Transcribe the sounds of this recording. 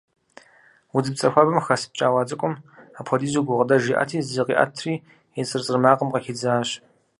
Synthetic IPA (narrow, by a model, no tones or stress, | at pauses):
wʊd͡zɨpt͡sʼɐxʷɐbɐmxɐsp̚t͡ʃʼaːwɑːd͡zʼɨkʷʼʊmaːpʰɔdiːzuɡʷʊʁədɐʒiʔa̰tʰiːzɨqḭːʔɐ̰tʰriː | ɛt͡sʼɨrt͡sʼɨrmaːqəmqɐxɪd͡zaːɕ